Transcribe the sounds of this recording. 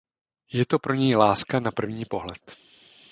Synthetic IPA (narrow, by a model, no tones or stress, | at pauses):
jɛt̪o̞pɾo̞ɲɛjlaːskanapr̩vɲiːpo̞ɦlɛt̪